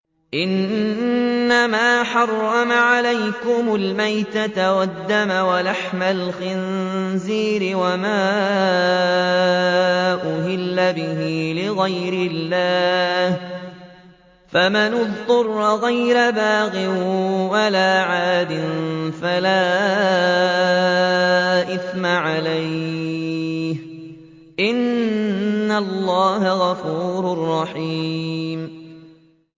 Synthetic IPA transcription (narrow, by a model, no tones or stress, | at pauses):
ʔɪnː | amaːħɑrˤːɑmaʕalajkʊmʊlmajt̪at̪awad̪ːamawalaħmalxɪnziːɾɪwamaː | ʔʊhɪlːabɪɦiːlɪɣajɾɪlːaːh | famanʊðˤt̪ʊrˤːɣajɾabaːɣɪwalaːʕaːd̪ɪnfalaː | ʔɪθmaʕalaj | h | ʔɪnː | alːɑːɦaɣɑfuːɾʊrˤːɑħiːm